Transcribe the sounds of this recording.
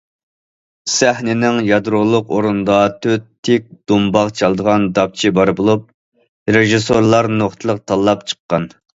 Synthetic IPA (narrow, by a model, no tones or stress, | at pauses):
sæhnɪnɪŋjɑd̪ɾulˠʊqoɾund̪ɑt̪ʰøt̪ʰːɪk̚ʲd̪̥umbɑʁt͡ʃʰɑlˠd̪əʁɑnd̪ɑp̚t͡ʃʰibɑɾbulˠup̚ | ɾeʒisoɾlˠɑɾnoχt̪ʰəlˠəq̚t̪ʰɑlˠːɑpt͡ʃʰə̥qːɑn